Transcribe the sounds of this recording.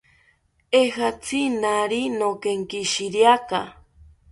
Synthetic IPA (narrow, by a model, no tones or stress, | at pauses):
eɦat͡sʰinaɾinokeŋkiʃiɾjaka